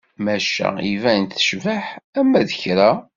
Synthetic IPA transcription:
mæʃæ̰ivænt̪θə̥ʃvəħæmːæðəçɾa

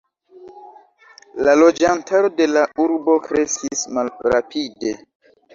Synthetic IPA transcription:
lalo̞d͡ʒantaɾo̞de̞lauɾbo̞kɾe̞skismalɾapide̞

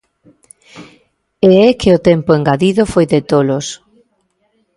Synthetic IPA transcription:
eɛkʰɪʊt̪ɛmpʊeŋɡaðiðʊfojðɪt̪olos

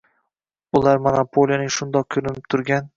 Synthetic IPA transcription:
ʊlaɾmanapʰolˠjanɪŋʃʊnd̪ɒq̚kʰolɪnɪp̚t̪ʰʊɾɡʲan

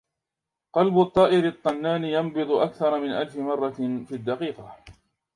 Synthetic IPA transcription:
qɑlbʊt̪ˤːɑːʔɪɾɪt̪ˤːɑnːaːnɪjɑmbɨd̪ˤʊʔakθɑɾˤɑmɪnʔalfɪmɑrˤːɑfiːad̪ːɑqiːqɑ

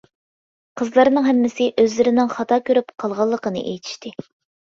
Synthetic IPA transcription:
qʰəzlˠɑɾnɨŋɦɛmːɪsɪʔøzlɪɾɪnɪŋχɑt̪ʰɑːkʲøɾypqʰɑlˠʁɑlˠːəqənɨ̰ʔḛjt̪ʰi̥ʃt̪ʰɪ

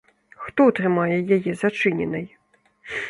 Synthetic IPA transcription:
xt̪ɔut̪ɾɨmajɛjajɛzat͡ʂɨnʲɛ̰nɐj

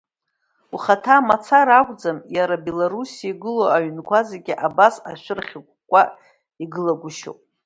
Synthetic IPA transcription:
uχatʰamat͡sʰaɾakʷʼd͡zamjaɾabe̞loɾusiaiɡɨloaɥnkʷʰazeɡʲiʔabasaʃʷᶣʏrχʲik̚ʷʰʼkʷʼa | iɡɨlaɡʷʊʃo̰pʼ

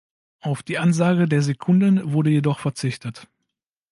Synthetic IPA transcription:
ʔaʊfd̥iːʔanzaːɡədeːɐzekʰʊndənvʊɐdəjedɔχfɛɐt͡sɪçtət

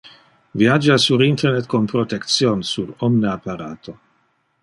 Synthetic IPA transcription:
viad͡ʒasuɾint̪ernet̪konpɾot̪ekt̪sjonsuɾɔmneapaɾaːt̪ʰo

